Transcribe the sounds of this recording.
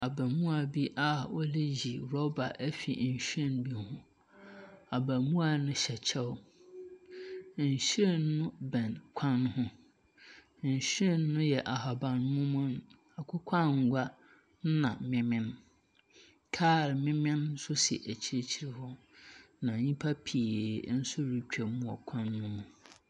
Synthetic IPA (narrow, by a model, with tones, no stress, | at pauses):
a˨bæ̃˨mũ˦a˨bi˦ʔa˨wɔ˦le˦ji˨ɾɔ˦ba˨ʔæ˦fi˨n̩˨ɕᶣɛ̃˦nbi˦hʊ̃˦ | a˨bæ̃˨mũ˦a˨nʊ̃˦ɕɛ˨t͡ɕʰɛ˦w | n̩˨ɕɛ˦˨nːʊ̃˦bɛ̃˨nkʷʰã˦nhʊ̃˦˨ | n̩˨ɕᶣɛ˦˨nːʊ̃˦jɛ˨ʔa˨ɦa˨bã˨nmʊ̃˦mʊ̃˦n˦ | a˨kʷʰʊ˦kʷʰã˦ŋ̩˨ɡʷa˦ | n̩˦nã˨mɪ̃˦mɪ̃˦n | kʰaː˦˨ɾmɪ̃˦mɪ̃˦nn̩˦sʊ˦sḭ˨ʔæ˨t͡ɕʰi˦ɾe˦t͡ɕʰi˦ɾi˦hʊ˦ | nã˨ɲĩ˦pʰa˦pʰi˨e˨n̩˦sʊ˦ɾi˨t͡ɕᶣɛ˨mũ˦ɔ˨kʷʰã˦nːʊ̃˦mʊ̃˨